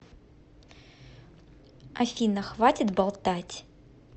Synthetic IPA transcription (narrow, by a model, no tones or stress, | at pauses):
afʲinɐxvatʲɪt̪balˠt̪atʲ